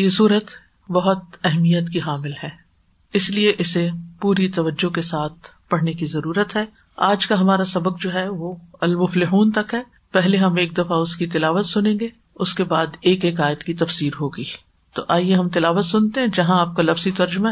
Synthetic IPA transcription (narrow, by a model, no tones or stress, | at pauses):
jesuːɾət̪ | bɐɦʊt̪̚ɛɦmijət̪kiɦaːmɪlɦɛː | ɪslieʔɪsepuːɾit̪ɐʋəd͡ʒːokesaːt̪̚ʰ | pɐɽ̤nekizɐɾuːɾət̪ɦɛː | aːd͡ʒkaɦɐmaːɾasɐbək̚d͡ʒoːɦɛʋoɐlmʊflɪɦuːnt̪ɐkɦɛː | pɛɦleɦɐmeːk̚d̪ɐfaʊskit̪ɪlaːʋət̪sʊnẽːŋɡe | ʊskebaːd̪eːkeːkaːɪət̪kit̪ɐfsiːɾɦoːɡəiː | t̪oʔaːjeɦɐmt̪ɪlaːʋət̪sʊnt̪eɦɛ̃d͡ʒɐɦãaːp̚kalɐfzit̪ɐɾd͡ʒʊma